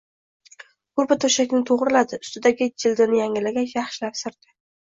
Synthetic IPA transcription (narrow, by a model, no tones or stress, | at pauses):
kʊɾbat̪ʰɵʃakʲnɪt̪ʰoʁɾɪlad̪ɪʊst̪ɪd̪aɡʲɪd͡ʒɪld̪ɪnɪjaŋɪlaɡʲanjaχʃɪlaɾsɪɾd̪̥ɪ